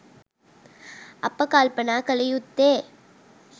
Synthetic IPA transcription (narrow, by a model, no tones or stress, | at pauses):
ɐpːɐkaːlpɐnaːkɐlɐjut̪ːeː